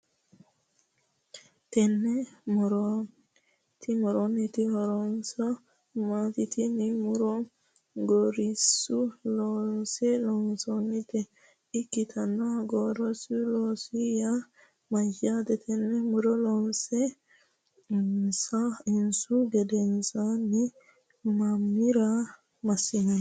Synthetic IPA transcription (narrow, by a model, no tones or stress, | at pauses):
t̪ɛnːɛmɔɾɔ | t̪imɔɾɔnːit̪ihɔɾɔnsa | mat̪it̪inimuɾɔ | ɡoɾisulɔnsɛlɔnsɔnːit̪ɛ | ikːit̪ʰanaɡɔɾɔsulɔsija | majadɛt̪ʰɛnːɛmuɾɔlɔnsɛ | sainsuɡɛdɛnsani | mamːiɾa | masina